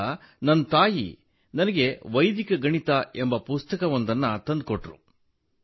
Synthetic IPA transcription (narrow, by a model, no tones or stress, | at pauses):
nɐnːt̪aːjḭ | nɐnɐɡe̞ʋɐjd̪ikɐɡɐɳit̪ɐembɐpust̪ɐkɐʋond̪ɐnːɐt̪ɐnd̪koʈɾṵ